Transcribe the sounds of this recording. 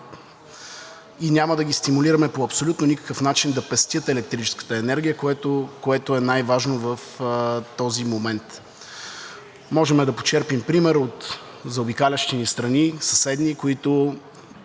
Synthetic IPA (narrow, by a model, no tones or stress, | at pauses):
inʲaməd̪ɐɡʲist̪imuliɾɐmɛpoɐpsolʲut̪nonʲikə̥kəfnat͡ʃind̪ɐpɛst̪ʲjət̪ɛlɛk̚t̪ɾit͡ʃɛ̥skə̥t̪əɛnɛɾɡʲijəkoɛt̪okoɛt̪ʊɛnajvaʒnovəft̪ɔzimomɛnt̪ | mɔʒɛmɛd̪ɐpo̥t͡ʃɛɾpimpɾimɛɾot̪ | zɐʊbikalʲɐʃt̪inist̪ɾɐnisɐsɛd̪nikoit̪ʊ